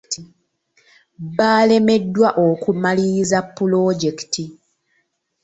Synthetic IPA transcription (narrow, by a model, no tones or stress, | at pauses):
baːle̞me̞dːwaʔokumaliːzapːuloɟektʰi